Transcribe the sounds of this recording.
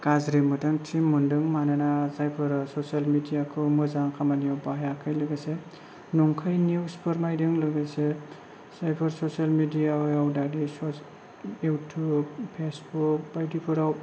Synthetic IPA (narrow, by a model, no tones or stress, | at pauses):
kazɾimɯtɯŋtʰimːɯndɯŋmananasajpʰɯɾsɔsalmidijakʰɯmɯzaŋkʰamanijɔwbajakʰajlɯɡajse | nɔŋkʰajniwspʰɯɾmajdɯŋlɯɡajse | sajpʰɯɾsɔsalmidijajawdadisɔ | jutʰub̚pʰesbukbajdipʰɯɾaw